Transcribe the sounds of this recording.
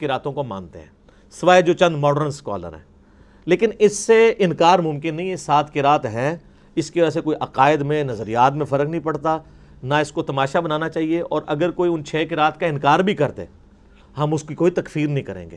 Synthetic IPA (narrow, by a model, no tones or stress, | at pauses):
kɪɾaːt̪õkomã̰ːnt̪ḛɦɛ̰̃ː | sɪʋaːed͡ʒoːt͡ʃɐ̃nd̪mɔːɖəɾənskɔ̰ːlə̰ɾɦɛ̰̃ː | leːkɪnɪsːeɪnkaːɾmʊ̃mkɪnːɐɦĩesaːt̪ʰkɪɾaːt̪ɦɛ̃ | ɪskeʋəd͡ʒasekoːiʔɐqaːɪd̪mẽnɐzəɾijaːt̪̬mẽfɐɾəknəĩpɐɽt̪a | naɪskot̪ɐmaːʃabɐnaːnat͡ʃaːɦieʔɔːɾʔɐɡəɾkoːiʊnt͡ʃʰɛːkɪɾaːt̪kaɪ̃nkaːɾbʱikɐɾt̪ḛː | ɦɐmʊskikoːit̪ɐkfiːɾnəɦĩkɐɾḛ̃ːŋɡḛː